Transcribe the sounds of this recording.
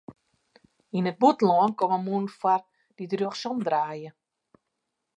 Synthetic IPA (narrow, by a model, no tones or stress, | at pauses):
inət̚butlɔənkoməmunfar | didrøəxsɔmdraːjə